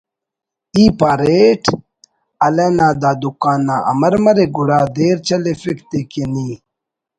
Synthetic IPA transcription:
iːpaːɾeʈ | ɐlenaːd̪aːd̪ukaːnːa̰ʔɐ̰mɐɾmɐɾeɡuɽaːd̪eːɾt͡ɕɐlefikt̪ekeniː

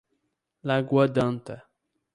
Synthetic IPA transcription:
laɡwad̪ãnt̪a

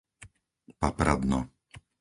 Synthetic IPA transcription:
papɾad̪nɔ

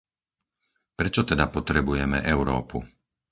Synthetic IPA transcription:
pɾɛt͡ʃɔt̪ɛd̪apɔt̪ɾɛbujɛmɛ̰ʔɛʊɾɔ̰ːpṵ

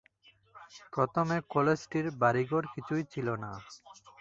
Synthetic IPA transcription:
pɔt̪omekɔled͡ʑʈiɾbaɾiɡoɾkit͡ɕʰujt͡ɕʰilona

